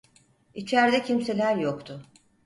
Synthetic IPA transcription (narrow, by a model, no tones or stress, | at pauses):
it͡ʃʰæɾd̪ɛcʰimse̞lʲæɾjokt̪ʰʊ